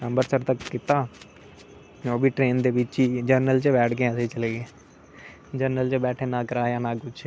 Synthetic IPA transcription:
nəmbəɾsəɾt̪əkːɪt̪aː | d͡ʒoːbʱiːʈɾeːnd̪eːbɪt͡ʃːt͡ʃiːd͡ʒəɾnəlt͡ʃebɛːʈʰkẽɛːset͡ʃəleːɡeː | d͡ʒəɾnəlt͡ʃebɛːʈʰeːnãːkəɾaːjãːnaːkʊt͡ʃʰ

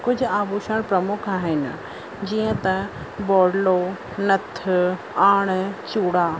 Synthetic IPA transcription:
kʊd͡ʑʱʊaːbuːʃəɽ̃pɾɐmʊkʰaːɦɪnɪ̰ | d͡ʑiːə̃t̪ɐ | bɔːɽɖlo | nɐt̪ʰːʊ | aːɽ̃t͡ɕuːɽaː

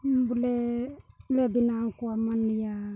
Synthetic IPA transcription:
mbule | lebinaŋkuamanija

